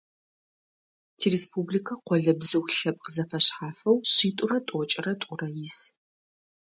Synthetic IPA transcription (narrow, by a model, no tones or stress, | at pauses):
tʰirespublikʰɐqʷɔɮɐbzɨwɬɐp̚qəzɐfɐɕħaːfɐwɕiːtʼʊrɐtʼɔt͡ʃʼɪrɐtʼʊrɐjis